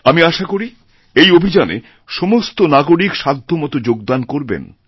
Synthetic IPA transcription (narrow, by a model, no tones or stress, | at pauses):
amiaʃakoɾi | ejobʱid͡ʑanḛ | ʃɔmost̪onaɡoɾikʃad̪ʱːomɔt̪od͡ʑoɡ̚d̪ankoɾbḛn